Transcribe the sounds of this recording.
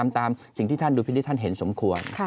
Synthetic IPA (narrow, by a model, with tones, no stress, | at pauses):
a˧mt̪aː˧msi˨˩ŋt̪ʰiː˥˩t̪ʰnduː˧i˧niː˥˩t̪ʰa˥˩nɦe˩˦nso˩˦mkʰu˧ənʰ˧